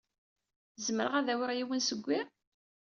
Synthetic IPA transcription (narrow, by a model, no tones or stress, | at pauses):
zməɾə̰ʁæðæwɾjiwənsəɡʷːɪ